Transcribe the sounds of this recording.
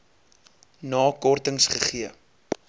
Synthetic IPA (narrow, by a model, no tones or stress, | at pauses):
nɑːkɔrtəŋsχəχiə